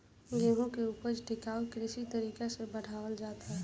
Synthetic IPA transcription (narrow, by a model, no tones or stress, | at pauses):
ɡeːɦõkeuːpəɾʈɪkaːokɾɪsit̪əɾiːkesebəɽ̤aːʋəld͡ʒaːt̪aɦɛ